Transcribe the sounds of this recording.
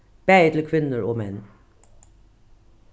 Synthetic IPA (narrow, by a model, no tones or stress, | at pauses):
b̥æɪt̪ʰl̩kʰʋɪnəɹoːmɛn